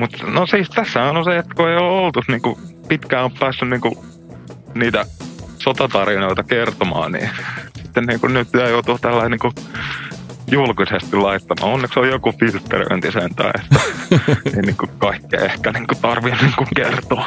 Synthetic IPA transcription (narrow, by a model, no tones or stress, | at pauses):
mut̪nosiːst̪æsːæhænonseet̪ːkueijoolt̪usniːŋkupit̪kæːoppæːsːynniːŋku | niːt̪æsot̪ɑt̪ɑrinoit̪ɑkert̪omɑ̰ːnnḭsit̪ːenniːŋkunnyt̪st̪æjoˑt̪uːt̪ælːæiniːŋku | julkisest̪illɑit̪ːɑmɑ̰ːonːeksojjokufilt̪ːḛrḭø̰nt̪isent̪æ̰ːḛt̪ːæeiniːŋkukɑikːḛehkæniːŋkut̪ɑrʋinniːŋkuŋkert̪oː